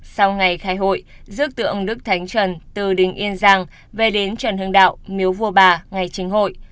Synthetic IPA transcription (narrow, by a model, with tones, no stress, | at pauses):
sa˧wŋa˨˩jxaː˨˧˦jɦo̰˧˨j | zɨ˦˥k̚t̪ɨ̰˧˩ʔə˧˩ŋ͡mɗɨ˦˥k̚t̪ʰa˨˦jŋ̟t͡ɕə˨˩nt̪ɨ˨˩ɗï˨˩ŋ̟ʔi˧ənzaː˧ŋ | ve˨˩ɗe˨˦nt͡ɕwə˨˩nhɨ˧əŋɗa̰ː˧˨wmi˨˦əwvu˧əɓaː˨˩ŋa˨˩jt͡ɕï˨˦ŋ̟ɦo̰˧˨j